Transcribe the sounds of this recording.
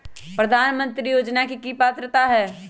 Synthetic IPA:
pɾɐd̪ʱaːnmə̃nt̪ɾijoːd͡ʒnakikiːpaːt̪ɾət̪aɦɛː

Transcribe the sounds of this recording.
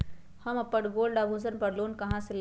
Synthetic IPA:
həməpːəʈɡoːlɖabʱũsənpəɽloːnkɐɦãsel

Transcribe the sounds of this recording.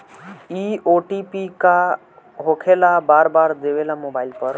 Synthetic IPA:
ioʈipika | ɦokʰelabaːɾbaːɾd̪eʋelamobaːɪlpəɾ

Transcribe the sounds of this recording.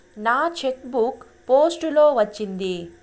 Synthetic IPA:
naːt͡ʃekbuk | poːsʈulo̞ːʋɐt͡ʃːind̪i

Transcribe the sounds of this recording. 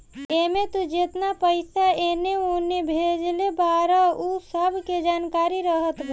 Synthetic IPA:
emet̪ud͡ʒet̪napəɪsaeneonebʱed͡ʒlebaɾəusəbʱked͡ʒankaɾiɾəɦət̪b

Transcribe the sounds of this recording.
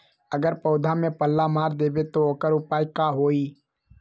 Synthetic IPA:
əɡəɾpɔːd̪ʱamẽpəlːamaːɾd̪eːbet̪ooːkəɾʊpaːikaɦoːiː

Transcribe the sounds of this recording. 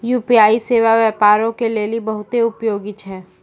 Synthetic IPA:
juːpiaːiseːʋaʋjəpaːɾõkeleːlibɐɦʊt̪eʊpjoːɡit͡ʃʰɛː

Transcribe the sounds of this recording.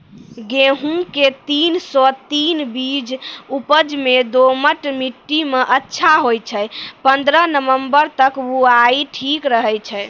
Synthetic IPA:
ɡeɦũket̪insɔt̪inbid͡ʒupəd͡ʒmed̪oməʈmiʈːimeʔətːʃʰaɦojt͡ʃʰɛpənd̪ɾənəʋəmbəɾt̪əkuaiʈʰikɾəɦɛjt͡ʃʰɛ

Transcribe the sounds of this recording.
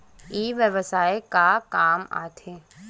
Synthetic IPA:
iːʋjəʋəsaːekakaːma̰ːt̪ʰeː

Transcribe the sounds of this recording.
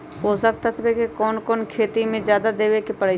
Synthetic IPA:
ɦoːsək̚t̪ət̪ʰbekekɔːnkɔːnkʰeːt̪imẽd͡ʒjaːd̪ad̪eːwekepəɾeː

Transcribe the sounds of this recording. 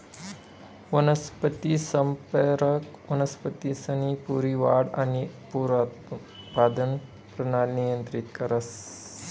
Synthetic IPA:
ʋɐnɐspət̪isɐmpəɾɐk | ʋɐnɐspət̪isɐnipuɾiʋaːɽanipuɾat̪ | paːd̪ən | pɾɐnanijənt̪ɾit̪kɐɾɐs

